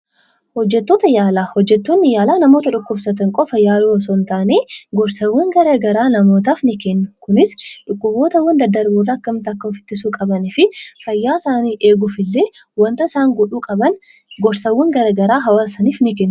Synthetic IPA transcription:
hɔd͡ʒːɛt̪ːoːt̪ɐjaːlaːhɔd͡ʒːɛt̪ːoːnːɪjaːlaːnɐmo̞ːt̪ɐᶑʊkːʊbsɐt̪ɐŋkʼɔfɐjaːluːɐsɔnt̪aːneːɡɔɾsɐwːɐŋɡɐɾaɡɐɾaːnɐmo̞ːt̪̬aːfnɪkɛnːʊkʊnɪsᶑʊkːʊbːo̞ːt̪ɐwːɐnd̪ɐd̪ːɐɾbuːrːɐːkːɐmt̪ɐkːɐʊfɪ̥t̪ːɪsuːkʼɐbɐnɪfɪfɐjːaːsaːniːʔeːɡʊfɪlːe̞ːwɐnt̪ɐɪsaːŋɡɔᶑuːkʼɐbɐn | ɡɔɾsɐwːɔŋɡɐɾaːɡɐɾaːɦɐwaːsɐniːfnɪkɛnːʊ

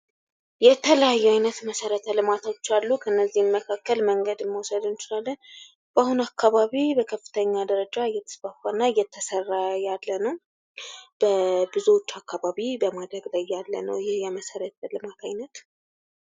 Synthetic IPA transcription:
jɛt̪ʰələjajːɛajnət̪məsəɾət̪ʰəlɨmat̪ʰot͡ʃːalːukʰənːəzːimːəkʰakːəlməŋɡəd̪mːəwɔsəd̪ɨnt͡ʃɪlalːən | b̥ahunakʰːaβaβibəkʰəfːɨ̥t̪ʰəɲːad̪əɾəd͡ʒaɨjːɛt̪ʰə̥sfafaɨnːaɨjːɛt̪ʰːəsərːajalːənəw | b̥əbɨzuwot͡ʃːakʰːaβaβibəmad̪ɾəɡlajːalːə̰nə̰wjɪhjɛməsəɾət̪ʰəlɨmat̪ʰajnət̪

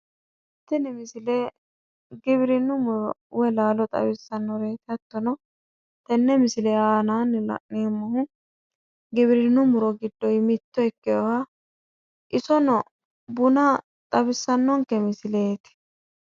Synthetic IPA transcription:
ɪt̪ːɪnɛmɪsɪle | ɡɪbɪɾɪnːʊmʊɾɔwɛlaːlɔt̪ʼɐ̰bɪsːɐnːɔɾe̞ːt̪ɪɐt̪ːɔnɔ | t̪ɛnːɛmɪsɪlɛaːnaːnːɪlɐ̰ʔnemːɔhʊ | ɡɪbɪɾɪnːʊmʊɾɔɡɪd̪ːɔjmɪt̪ːɔɛkːɪjɔwa | ʔɪsɔnɔ | bʊnɐ | t̪ʼɐbɪsːɐnːɔŋkɛmɪsɪleːt̪ɪ̥

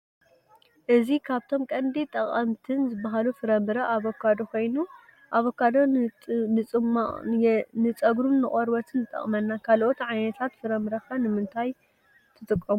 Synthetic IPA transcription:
ʔɨzikʰaβt̪ʰo̞mkʼɐnd̪it̪ʼɐχʼɐmt̪ʰɨnzɨbaɦalufɨɾɐmɨɾɐʔaβokʰːad̪oko̞jnu | ʔaβokʰːad̪onɨt͡sʼɨma | nɨt͡sʼɐɡɾuːɨχʼɐɾbɐt̪ʰɨnːɨt̪ʼɐ̰χʼmɐnːakʰalʔot̪ʕajnɐt̪ʰat̪fɨɾɐmbɨɾɐxanɨmɨnt̪ʰaj | t̪ʰɨt̪ʼɨkʼːɐmu

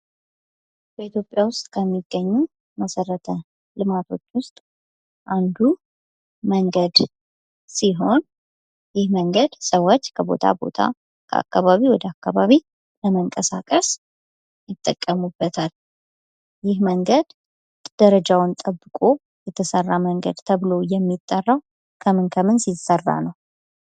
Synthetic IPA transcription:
b̥əit̪ʰjopʼjawʊst̪ʼkʰəmːiɡːəɲːu | məsəɾːət̪ʰə | lɨmat̪ʰo̞t͡ʃːwʊst̪ʼ | ʔand̪u | məŋɡəd̪ | siɦo̞n | jɪhməŋɡəd̪səwot͡ʃːkʰəbo̞̰t̪ʰa̰bo̞̰t̪ʰa̰ | kʰə̰a̰kːaβaβiwɔd̪əakːaβaβi | ləməŋkʼəsakʼəs | jɪt̪ʼːəkʼːəmubːət̪ʰal | jɪhməŋɡəd̪ | d̪̥əɾəd͡ʒawnt̪ʼəbːɨkʼo̞ | jɛt̪ʰəsərːaməŋɡə̰d̪t̪ʰəβɨlo̞jɛmːit̪ʼːərːaw | kʰəmɨnkʰəmɨnsisərːa̰nəw

